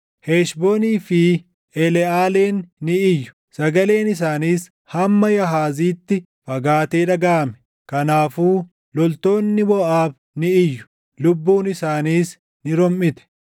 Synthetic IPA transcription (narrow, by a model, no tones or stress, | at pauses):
heːʃboːniːfɪ | ɛlɛaːleːnːɪɪjːʊ̥ | sɐɡɐle̞ːnɪs̬aːniːs | hɐmːɐjɐɦaːziːt̪ːɪ | fɐɡaːt̪eːᶑɐɡaːmɛ̥ | kɐnaːfuː | lɔlt̪o̞ːnːɪbɔʔaːb | nɪɪjːʊ̥ | lʊbːuːnɪsaːniːs | nɪɾɔmːɪt̪ɛ̥